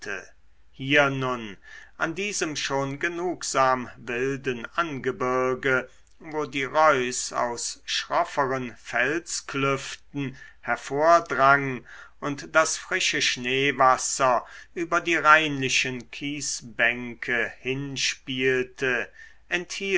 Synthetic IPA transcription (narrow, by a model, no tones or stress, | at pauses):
ə̰ | hiːɐnʊnʔandiːzəmʃoːnɡənuːkz̥aːmvɪldənʔanɡəbʏɐɐɡə | voːdiːʁɔʏsa̰ʊsʃʁɔfəʁənfɛlsklʏftn̩hɛɐfoːɐdʁaŋʔʊntd̥asfʁ̥ɪʃəʃneːvasɐʔyːbɐdiːʁaɪnlɪʃənkʰiːsbɛŋkʰəhɪnʃpiːltʰə | ʔɛnthiː